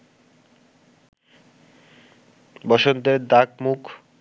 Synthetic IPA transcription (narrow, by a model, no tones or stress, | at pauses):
bɔʃont̪eɾd̪akmukʰ